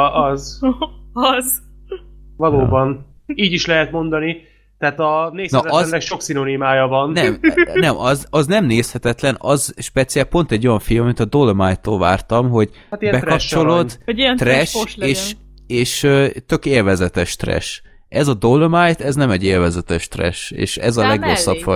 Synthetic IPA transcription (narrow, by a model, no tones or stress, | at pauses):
ɒz | ɒz | vɒloːbɒn | iːɟiʃlɛɦɛt̪mo̞nd̪ɒni | t̪ɛaːt̪ɒneːsnɒɒznːɛkʃo̞ksino̞nimaːjɒvɒnnɛmnɛmʔɒzɒznɛmneːshɛt̪ɛt̪lɛnɒzʃpɛt̪siɛlpo̞n̪t̪ɛɟːo̞jɒɱfilmɒmit̪ɒd̪o̞lmajt̪ːoːlvaːrt̪ɒmɦo̞ɟ | at̪ibɛkɒpt͡ʃo̞lond̪it̪rɛʃʃeːʃ | eːʃøt̪ø̞keːlvɛzɛt̪ɛʃt̪rɛ̰ʃ | ʔɛzɒd̪olmajt̪ɛznɛmɛɟːeːlvɛzɛt̪ɛʃt̪rɛ̰ʃḛːʃɛ̰zɒlɛɡosːɒpfɒ